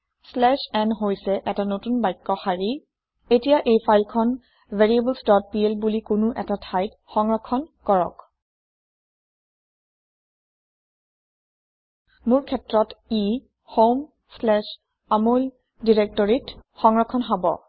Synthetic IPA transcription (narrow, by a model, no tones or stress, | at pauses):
slɛʃɛnɦojsɛʔɛtanotunbajkːɔxaɹi | etijaʔejpʰajlkʰɔn | vʱeɹiebəlsdɔt̚pielbulikunuʔɛtatʰajt | xɔŋɹɔkʰːɔnkɔɹɔ̰k | mʊɹkʰɛtɹɔti | hom | slɛʃ | amol | diɹek̚tɔɹitxɔŋɹɔkʰːɔnɦabɔ̰